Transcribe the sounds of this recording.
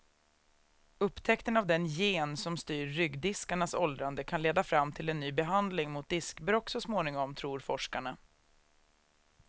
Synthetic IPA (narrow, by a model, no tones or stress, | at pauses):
ɵpːt̪ʰɛkt̪ənavd̪ɛnjeːnsɔmst̪yːɾːʏɡd̪ɪskaɳasɔld̪ɾand̪əkʰanleːd̪afɾamːt̪ʰɪlɛnːyːbɛɦand̪lɪŋmʊt̪̚d̪ɪskbɾɔksɔsmoːnɪŋɔmt̪ʰɾuːɾfɔʂkaɳa